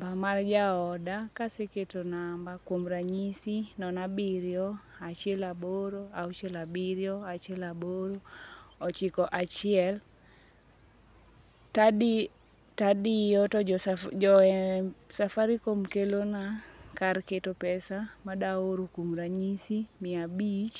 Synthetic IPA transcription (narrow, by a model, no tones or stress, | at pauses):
bamard͡ʒaɔdakaseketonambakwomɾaɲisinɔnabiɾjɔat͡ʃɪɛlaboɾoaot͡ʃɛlabiɾjɔat͡ʃɛlaboɾoɔt͡ʃikɔʔat͡ʃɪɛl | tad | tadɪjɔtɔɔɛsafaɾikomkelonakarketopɛsamadaoɾokwomɾaɲisimɪabit͡ʃ